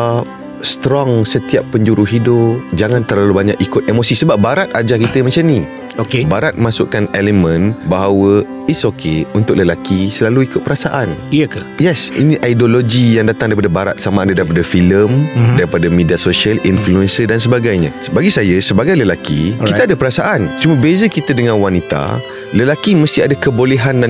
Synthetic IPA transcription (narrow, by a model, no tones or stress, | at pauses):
st̪ɾɔŋsət̪iapːəɲd͡ʒuɾuɦidʊpd͡ʒaŋãnt̪ərlalubaɲa̰kikʊt̪̚emosisəbap̚baɾat̪̚ad͡ʒakit̪əmãt͡ʃamni | okebaɾat̪̚masʊʔkanelemə̃nbaɦawə | isokʰeunt̪ʊk̚ləlakisəlaluikʊt̪̚pəɾasaʔanik | jɛsḭniʔajdoloɡijaŋdat̪aŋdaɾipadabaɾa̰t̪̚samãːdadaɾipadafiləmdaɾipadamẽdiasoʃialinfluɛnsədans̬əbaɡajɲã̰baɡisajəsəbaɡajləlakḭkiəadəpəɾasaʔant͡ʃuməbezəkit̪ədəŋãnwanit̪a̰ | ləlakiməst̪iadakəboleɦandan